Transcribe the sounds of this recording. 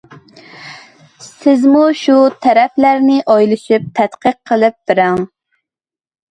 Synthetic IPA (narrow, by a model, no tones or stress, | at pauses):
sɪzmuʃut̪ʰɛɾɛflæɾnɪʔɑjlˠɨʃip̚t̪ʰɛt̪qəqʰːəlˠɪp̚b̥ɪɾæŋ